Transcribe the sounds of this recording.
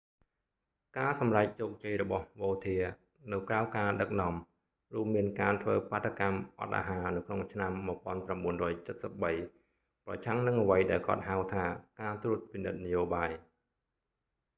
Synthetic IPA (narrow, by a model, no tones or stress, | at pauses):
kaːsɑmrac̚t͡ɕoːk̚t͡ɕəjrɔɓɑhʋoːt̪ʰiə | nɨwkraɔwkaːɗɨk̚nŏɔəm | ruəmːiənkaːt̪ʰʋəːpaːt̪ʰːakamʔɑ̰t̪̚ʔa̰ːɦaːnɨwkʰnoŋt͡ɕʰnamːuəpŏənpramɓuənrɔːjt͡ɕət̪̚səp̚ɓəj | prɑ̰t͡ɕʰaŋnɨŋʔəʋəjɗaɛlkŏ̰ət̪̚ɦawt̪ʰaːkaːt̪ɾuət̪̚pinɨt̪̚najoːɓaːj